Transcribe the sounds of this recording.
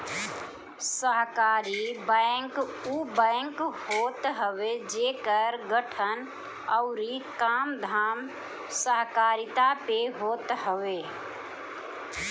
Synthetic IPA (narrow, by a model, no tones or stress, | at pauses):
səɦkaːɾibəɛ̃ŋkuːbɛ̃ːŋkhoːt̪ɦəʋed͡ʒeːkəɾɡəʈʰən | əʊɾikaːmd̪ʱaːm | səɦkaːɾɪt̪apeɦoːt̪ɦəʋeː